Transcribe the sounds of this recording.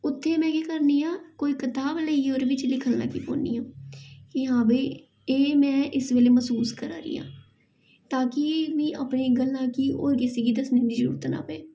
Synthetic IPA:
ʊt̪ʰːeːmɛ̃ːkeːkəɾniːãːkoːiːkɪt̪aːbləioːɾeʋɪt͡ʃlɪkʰəlna̰ːkiːpõ̰ːnḭːãːɪɦãːbeː | eːmɛ̃ːʔɪsʋeːleːməsuːskəɾaːɾḭːjã̰ː | t̪aːkɪnĩːʔaːpneːɡəlnãːkiːʔo̰ːɾkɪseːɡiːd̪əsneːniːd͡ʒəɾṵːɾt̪na̰ːpɛː

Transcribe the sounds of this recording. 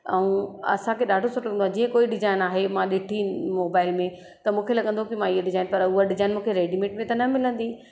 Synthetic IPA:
ɛũɐ̰sãkʰeɗaːɖʱosɐʈːolɐɡɐnd̪owad͡ʑiːə̃koːiɗɪzaːɪnaːɦemãɗɪʈʰinmoːbaːɪlmẽ | t̪ɐmũːkʰelɐɠə̃nd̪ʱõkimãiɦeɗɪzaːɪnpɐɾʊɦaɗɪzaːɪnmũːkʰeɾeːɖimẽːʈmẽt̪ɐnɐmɪlə̃nd̪iː

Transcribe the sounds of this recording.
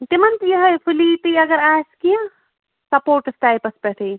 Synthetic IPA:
t̪imɐnt̪jɐɦɐjfʰuliːt̪ijɐɡɐɾaːjskijã | sɐpoːɾʈsʈ̪aːjpɐspɛʈʰiː

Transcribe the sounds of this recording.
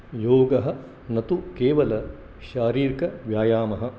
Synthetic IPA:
joːɡɐɦɐ̆ | nɐt̪ukeːʋɐlɐ | ʃaːɾiːɾkɐʋjaːjaːmɐɦɐ̆

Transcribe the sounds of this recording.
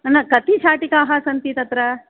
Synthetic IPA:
ɐnːɐkɐt̪it͡ʃʰaːʈikaːɦɐsɐnt̪it̪ɐt̪ɾɐ

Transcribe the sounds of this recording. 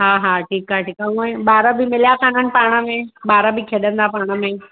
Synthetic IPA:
ɦaːɦaːʈʰiːkaːeʈiːkaũẽɓaːɾəbʱɪmɪljakʰən̤ənɪ̆paːɽ̃əmẽɓaːɾəbʱɪkʰeːɗə̃nd̪apaːɽ̃əmẽː

